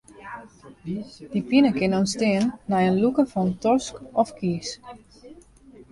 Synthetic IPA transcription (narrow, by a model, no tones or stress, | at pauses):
d̥ipinəkɪnɔnstɪːənːɛjənlukəfɔntɔskɔfkʰiːs